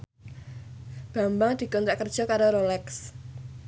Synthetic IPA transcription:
b̥a̤mbaŋd̪̥i̤kɔnt̪ɾaʔkərd̥ʒ̥ɔ̤kaɾoɾolɛks

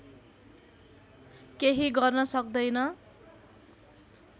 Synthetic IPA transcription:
keɦiɡʌrnʌsʌkd̪ʌjnʌ

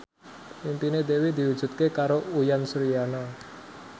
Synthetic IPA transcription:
impined̪ewid̪i̤wu̥d͡ʒ̥ṳt̪̚kekaɾoujansɾijana

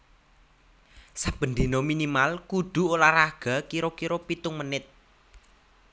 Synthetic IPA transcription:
sab̥ə̤nd̪inominimalkud̪̥ṳoɾaɾaɡ̥a̤kiɾokiɾopit̪ʊŋmənɪt̪̚

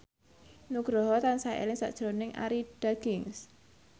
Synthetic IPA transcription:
nuɡ̥ɾɔɦɔt̪ansaḛlɪŋsa̰ʔd̥ʒ̥ɾonɪŋʔa̰ɾiɖ̥aɡ̥ɪŋs

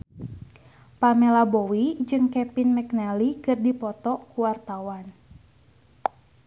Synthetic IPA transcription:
pamɛlabowid͡ʒɨŋkɛpinmɛknɛlikɨrdipɔt̪ɔkuwart̪awan

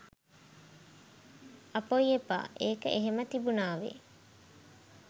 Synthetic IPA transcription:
ɐpoiepa̰ːʔeːkəʔeɦemət̪ibunaːʋḛ

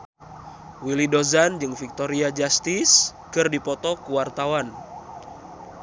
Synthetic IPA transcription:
wilidozand͡ʒɨŋfik̚t̪oɾiad͡ʒast̪iskɨrdipɔt̪ɔkuwart̪awan

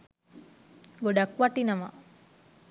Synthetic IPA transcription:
ɡoɖakʋaʈinɐmɐ̰

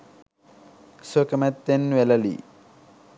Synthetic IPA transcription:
swokɐmɐt̪ːenʋelɐlḭ

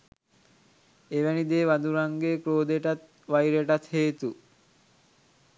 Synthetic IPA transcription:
eʋɛnid̪eːʋad̪uɾaŋɡekɾoːd̪eʈat̪̚ | ʋajɾeʈat̪heːt̪u

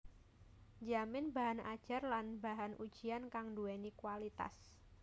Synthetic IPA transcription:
d͡ʒamɪnbaɦana̰d̥ʒ̥a̤rlanbaɦanʔud̥ʒ̥iankaŋduɛnikwalit̪a̰s

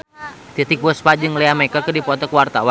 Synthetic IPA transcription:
t̪it̪ik̚bəspad͡ʒɨŋlɛamɛkəkɨdipɔt̪ɔkwart̪awa

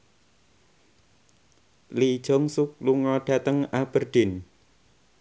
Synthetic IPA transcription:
li̥ʒ̥ɔ̤ŋsuk̚luŋɔɖ̥ä̤t̪əŋab̥ərɖ̪̥ɪn

